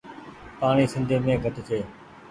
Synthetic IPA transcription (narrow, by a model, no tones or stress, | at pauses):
paːɳ̃iːsɪ̃nd̪ʱeːmẽːɡʱət̪ɪt̪ʰeː